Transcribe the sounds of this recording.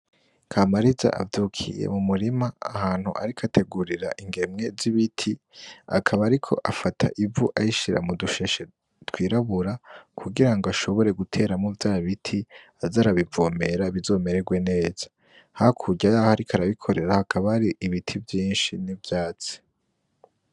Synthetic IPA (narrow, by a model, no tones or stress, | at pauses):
kʰamaɾiza̰ʔa̰vduːkʰḭjḛmumuɾimaa̰haːn̥hṵʔa̰ɾikʰate̞ɡuɾiɾaʔiŋɡe̞mŋe̞ziβitʰi | a̰kʰaβaːɾikʰo̞̰ʔafatʰa̰ʔivuʔajiʃiɾa̰muduʃe̞ʃe | twiːɾaβuɾakʰuɡiɾaŋɡoaʃo̞βo̞ɾe̞ɡutʰe̞ːɾamuvjaːβitʰi | azaɾaβivo̞ːme̞ɾaβizo̞ːme̞ɾeɡwe̞ne̞ːz̥ḁ | hakʰuɟajahaɾikʰaɾaβikʰo̞ɾe̞ɾahakʰaβahaɾiʔːβitʰivjiːnʃinivjaːt͡si̥